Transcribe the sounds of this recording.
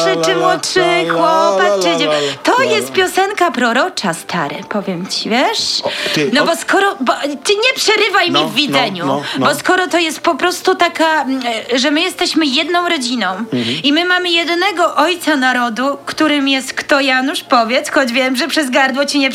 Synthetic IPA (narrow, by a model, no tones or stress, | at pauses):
ʐɛt͡ʂɛmwɔʂɘxwɔpat̪t͡ʂɨd͡ʑɛt̪ɔjɛst̪̚pʲjɔsɛŋkapɾɔɾɔt͡ʂast̪ʰa̰ɾɛ̰pɔvʲjɛmt͡ɕivʲjɛʂnɔbɔskɔɾɔbɔt̪ɘɲɛpʂɛɾɘvajmʲivːʲid̪zɛɲubɔskɔɾɔt̪ɔjɛst̪̚pɔpɾɔst̪ut̪akaʐɛmɘjɛst̪ɛɕmɘjɛd̪nɔ̃w̃ɾɔd͡ʑinɔ̃w̃imɘmamɘjɛd̪nɛɡɔʔɔjt̪sanaɾɔd̪ukt̪uɾɘmjɛst̪kt̪ɔjanuʂpɔvʲjɛt̪sxɔd͡ʑvʲjɛmʐɛpʂɛzɡaɾd̪wɔt͡ɕiɲɛp